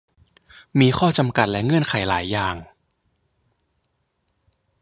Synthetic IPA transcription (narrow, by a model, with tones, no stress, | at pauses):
miː˧xʰɔː˥˩t͡ɕa˧mka˨˩t̪̚lɛ˦˥ŋɯ˥˩ənkʰa˨˩˦jlaː˩˦jːaː˨˩ŋ